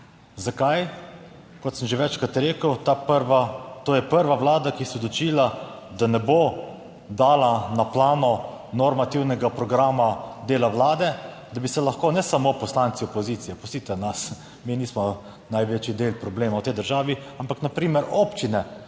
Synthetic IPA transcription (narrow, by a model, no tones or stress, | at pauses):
zakaj | kɔt̪səmʒeʋɛt͡ʃkat̪ɾeːkəwt̪apɾʋat̪oːjɛpəɾʋawlaːd̪akisɛd̪lɔt͡ʃiːla | d̪anɛbo | d̪aːlanaplaːnɔ | nɔɾmat̪iwnɛɡapɾɔɡɾaːmad̪eːlawlaːd̪ɛ | d̪abisɛlɐxkoːnɛsamopɔslansiɔpɔziːt̪sijɛpɔst̪iːt̪ɛnas | miniːsmɔ | najʋeːt͡ʃid̪eːlpɾɔbleːmawt̪ɛjd̪əɾʒaːʋiampaknapɾiːmɛɾoːpt͡ʃinɛ